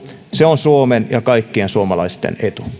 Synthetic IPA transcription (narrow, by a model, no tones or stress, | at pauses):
seonsuomenjɑkɑikːiensuomɑlɑist̪ḛnet̪u̥